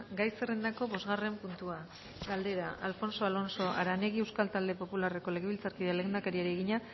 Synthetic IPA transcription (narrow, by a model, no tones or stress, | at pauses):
ɡajserend̪ako̞βo̞zɣare̞mpunt̪ua | ɡald̪e̞ɾaʔalfo̞nso̞alo̞nso̞ʔa̰ɾane̞ɣ̞ie̞wskalt̪ald̪e̞po̞pulare̞ko̞le̞ɣeβilt͡saɾkiðelend̪akaɾiaɾieɣiɲa